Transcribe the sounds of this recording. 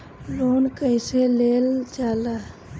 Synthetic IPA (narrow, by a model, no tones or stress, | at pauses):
loːnkəɪseleld͡ʒalə